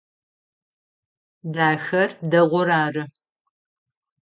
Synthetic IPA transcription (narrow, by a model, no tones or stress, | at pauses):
daːxɐrdɐʁʷɔɾaːrɨ